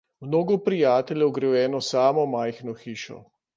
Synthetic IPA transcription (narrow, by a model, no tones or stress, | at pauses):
mnoːɡɔpɾijaːt̪ɛljɛwɡɾɛwjɛːnɔsaːmɔmajxnɔxiːʃɔ̰